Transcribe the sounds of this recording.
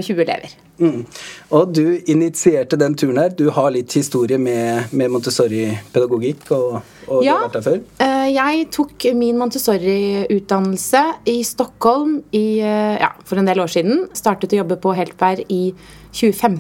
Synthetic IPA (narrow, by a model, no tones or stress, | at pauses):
çʉːəɛlḛːʋə̰ɾ | ɔd̪ʉɪnɪt̪sɪeːʈəd̪ɛnt̪ʰʉːɾəɳd̪æːɾd̪ʉhɑɭɪt̪ːhɪst̪uːɾɪəmɛmɛmʊnt̪əsɔɾɪpʰɛd̪ɑɡʊɡɪkʰːɔ | ɔjɑːeæføːɾjæɪt̪ʰuːkmɪnmʊnt̪əsɔɾɪʉːt̪̚d̪ɑnːl̩səɪst̪ɔkhɔlmɪjɑ̰ːfɔɾɛnd̪eːloːʂiːd̪n̩st̪ɑːʈət̪ɔjɔbːəpʰɔɦɛːlt̪ʋæːɾɪ | çʉːəfɛm